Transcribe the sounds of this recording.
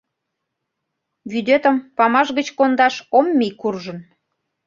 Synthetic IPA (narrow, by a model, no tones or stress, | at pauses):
βyd̪et̪ə̆mpɑmɑʃɣət͡ɕkond̪ɑʃomːijkurʒən